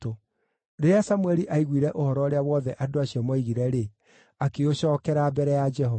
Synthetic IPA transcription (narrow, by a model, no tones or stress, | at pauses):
o | neasamwɛɾiʔaiɣwiɾɛʔohɔɾɔoɾeawɔðɛʔadoaɕiɔmɔiɣiɾɛɾe | akeoɕɔːkɛɾabɛɾɛjad͡ʒɛɦɔ